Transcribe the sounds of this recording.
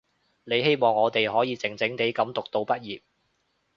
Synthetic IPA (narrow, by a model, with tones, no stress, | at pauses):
ne˨˧jhe˥jmɔː˨˩ŋɔː˨˧t̪e˨jɦɔː˨˥jiː˨˧t͡sɪ˨˩ŋt͡sɪ˨˥ŋt̪e˨˥jkɐ˨˥mt̪ʊ˨k̚t̪o˧wpɐ˥t̚jiː˨p̚